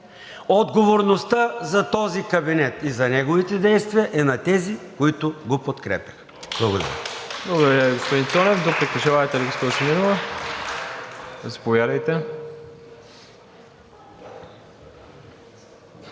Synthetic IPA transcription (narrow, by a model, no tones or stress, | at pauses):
od̪ɡovoɾnost̪əzɐt̪ɔzikɐbinɛt̪izɐnɛɡovit̪ɛd̪ɛjst̪viɐʔɛnɐt̪ɛzikoit̪ʊɡopot̪kɾɛ̰pʲjəx | b̥lˠɐɡod̪ɐ̰ɾʲə̰blˠɐɡod̪ɐɾʲaviɡospod̪int̪ɔnɛfd̪opɾikɐʃavaɐjt̪ɛviɡospɔd̪iʃɛminovɐ | ɐsɛ̥povjad̪ɐjt̪ɛ